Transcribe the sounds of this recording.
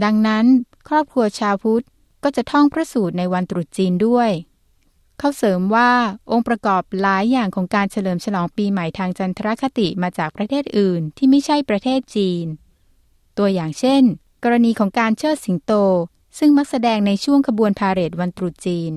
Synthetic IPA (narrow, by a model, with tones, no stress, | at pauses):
da˧ŋna˦˥n | kʰɾɔː˥˩p̚kʰɾu˧ɐt͡ɕʰaː˧wpʰu˦˥t̪̚ | kɔː˥˩t͡ɕa˨˩t̪ʰɔ˥˩ŋpʰɾa˦˥suː˨˩t̪̚na˧jwa˧nt̪ɾu˨˩t̪̚t͡ɕiː˧ndu˥˩əj | kʰa˦˥˩wsɤː˩˦mwaː˥˩ʔo˧ŋpɾa˧kɔː˨˩p̚laː˨˩˦jːaː˨˩ŋkʰɔː˩˦ŋkaː˧nt͡ɕʰa˧lɤː˩˦mt͡ɕʰa˧lɔː˩˦ŋpiː˧ma˨˩˦jt̪ʰaː˧ŋta˧nt̪ʰa˧ɾa˦˥kʰa˧t̪i˨˩maː˧t͡ɕaː˨˩k̚pɾa˧t̪ʰeː˥˩t̪̚ʔɯː˨˩nt̪ʰiː˥˩ma˥˩jt͡ɕʰa˥˩jpɾa˧t̪ʰeː˥˩t̪̚t͡ɕiː˧n | t̪u˧ɐjaː˨˩ŋt͡ɕʰe˥˩n | kɔː˧ɾa˧niː˧kʰɔː˩˦ŋkaː˧nt͡ɕʰɤː˥˩si˩˦ŋt̪oː˧ | sɯ˥˩ŋma˦˥k̚sa˧dɛː˧ŋna˧jt͡ɕʰu˥˩əŋkʰa˧bu˧ənpʰaː˧ɾe˨˩t̪̚wa˧nt̪ɾu˨˩t̪̚t͡ɕiː˧n